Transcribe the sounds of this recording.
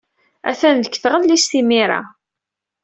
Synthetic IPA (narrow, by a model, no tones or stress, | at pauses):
æ̰θænðəkːθʁəlːisθimiɾa̰